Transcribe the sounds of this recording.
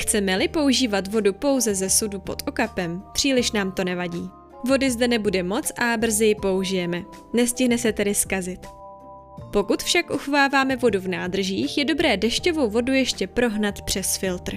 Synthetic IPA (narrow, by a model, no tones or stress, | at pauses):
xt͡sɛmɛlɪpo̞uʒiːvat̪vo̞dupo̞wzɛzɛsudupo̞̰t̪ʔo̞kapɛmpr̝̥iːlɪʃnaːmt̪o̞nɛvaɟiː | vo̞dɪzdɛnɛbudɛmo̞t͡sʔabr̩zɪjɪpo̞uʒɪjɛmɛ | nɛscɪɦnɛsɛt̪ɛdɪskazɪt̪ | po̞kut̪fʃakʔuxovaːvaːmɛvo̞duvnaːd̪r̩ʒiːxjɛdo̞bɾɛːdɛʃco̞vo̞wvo̞dujɛʃcɛpɾo̞ɦnat̪pr̝̥ɛsfɪlt̪r̩